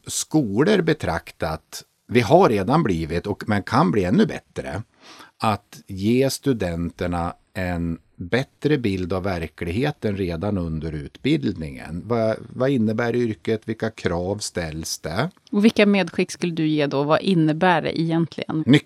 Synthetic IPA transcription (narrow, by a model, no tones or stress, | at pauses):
skuːləɾbɛt̪ʰɾa̰kt̪at̪ | vɪɦaɾːeːd̪anbliːvɪt̪ɔkmɛnkʰanbliːɛnːɵbɛ̰t̪ɾə̰ | at̪jeːst̪ɵd̪ɛnt̪əɳa | ɛn | bɛt̪ɾəbɪld̪avːæɾklɪɡɦeːt̪ənɾeːd̪anɵnd̪əɾʉ̟ːt̪bɪld̪nɪŋə̰nvavaɪnːəbæːɾʏɾkət̪vɪlkːakʰɾɑːvst̪ɛlːsd̪ɛ | ɔvɪlkːameːd̪ɧɪkːskɵlːəd̪ɵjeːd̪ɔvaʔɪnːəbæːɖɛ̰ʔɛjɛnt̪ʰlɪ̰ɡə̰n